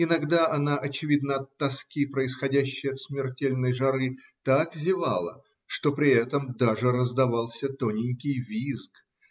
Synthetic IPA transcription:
ɪnɐɡd̪aʔɐnaʔɐt͡ɕɪvʲid̪̚nəɐt̪ːɐskʲipɾəɪsxɐdʲæɕːɪjəɐt̪smʲɪrtʲelʲnəjʐɐɾɨ | t̪akvzʲɪvalˠə̰ | ʂt̪o̞pɾʲɪɛt̪əmd̪aʐɨɾəzd̪ɐvalˠsʲət̪onʲɪnʲkʲɪjvʲisk

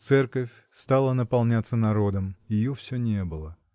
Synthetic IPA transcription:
t̪sɛrkəfʲ | st̪alˠənəpɐlˠnʲat̪sənɐɾo̞d̪əmjɪjofsʲɵnʲebɨlˠə

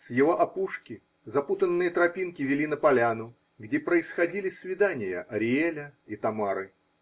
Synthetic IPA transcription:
sjɪvoʔɐpuʂkʲɪ | zɐput̪ənːɨjət̪ɾɐpʲinkʲɪvʲɪlʲinəpɐlʲanʊ | ɡdʲepɾəɪsxɐdʲilʲɪsvʲɪd̪anʲɪjə̰ʔɐɾʲɪelʲəit̪ɐmaɾɨ

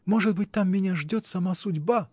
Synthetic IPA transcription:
mo̞ʐɨd̪̚bɨt̚ʲt̪amːʲɪnʲaʐdʲo̞t̪sɐmasʊdʲba

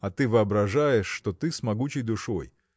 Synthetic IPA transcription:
ɐt̪ɨvɨɐbɾɐʐajɪʂːt̪ot̪ɨsmɐɡut͡ɕɪjd̪ʊʂoj

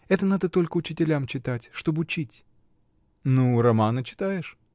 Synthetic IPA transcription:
ɛt̪ənad̪ət̪o̞lʲkəʊt͡ɕɪtʲɪlʲamt͡ɕɪt̪atʲʂt̪o̞bɨʊt͡ɕitʲ | nuɾɐmanət͡ɕɪ̥t̪ajɪʂ

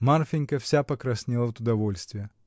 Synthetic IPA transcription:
marfʲɪnʲkəfsʲapəkɾɐsʲnʲelˠəvt̪ʊd̪ɐvolʲst̪vʲɪjə

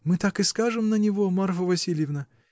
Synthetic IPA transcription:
mɨt̪akɨskaʐɨmnənʲɪvomarfəvɐsʲilʲjɪvnə

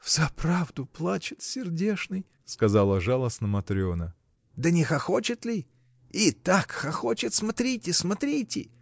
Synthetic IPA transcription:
vz̥apɾavd̪ʊplˠat͡ɕɪt̪sʲɪrdʲeʂnɨj | skɐzalˠəʐalˠəsnəmɐt̪ɾʲonə | d̪ənʲɪxɐxo̞t͡ɕɪt̪lʲɪ | it̪akxɐxot͡ɕɪt̪smɐt̪ɾʲitʲɪsmɐt̪ɾʲitʲɪ̰

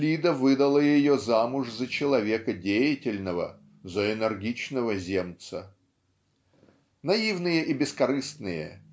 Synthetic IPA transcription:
lʲid̪əvɨd̪əlˠəjɪjozamʊʐzət͡ɕɪlˠɐvʲe̞kədʲejɪtʲɪlʲnəvə̰ | zəɪnɛrɡʲit͡ɕnəvəzʲemt̪sə | nɐivnɨjəʔibʲɪskɐɾɨst̪nɨjə̰

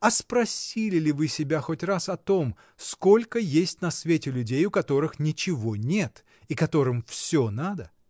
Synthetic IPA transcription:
ɐspɾɐsʲilʲɪlʲɪvɨsʲɪbʲaxo̞tʲrasɐt̪o̞m | sko̞lʲkəjesʲtʲnɐsvʲetʲɪlʲʉdʲejʊkɐt̪o̞ɾɨxnʲɪt͡ɕɪvo̞nʲet̪ | ikɐt̪o̞ɾɨmfsʲonad̪ə

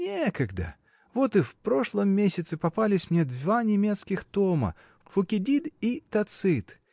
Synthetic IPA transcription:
nʲekəɡd̪ə̰ | vo̞t̪ɨfpɾo̞ʂlˠəmːʲesʲɪt̪sɨpɐpalʲɪsʲmnʲed̪vanʲɪmʲe̞t̪skʲɪxt̪omə̰ | fʊkʲɪdʲid̪it̪ɐt̪sɨt̪

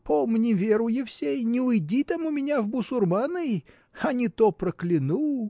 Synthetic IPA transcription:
pomnʲɪvʲeɾʊjɪfsʲejnʲɪʊjdʲit̪amʊmʲɪnʲavbʊsʊrmanɨ | ɐnʲɪt̪opɾəklʲɪnu

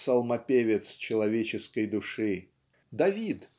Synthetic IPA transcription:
sɐlˠmɐpʲevʲɪt̪st͡ɕɪlˠɐvʲet͡ɕɪskəjd̪ʊʂɨ | d̪ɐvʲit̪

